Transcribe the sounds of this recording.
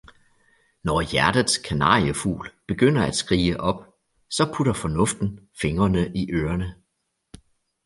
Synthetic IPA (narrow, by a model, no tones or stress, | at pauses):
nɒjæɐd̥ð̩ˠskʰænɑ̰̈ːjəfṵːlb̥e̝ɡ̥øn̰ɐæd̥sɡ̥ʁḭːəʔɒ̽b̥ | sɒ̽pʰuɾɐfɒ̽nɔ̽fd̥n̩fe̝ŋɐnəʔiʔøːɐnə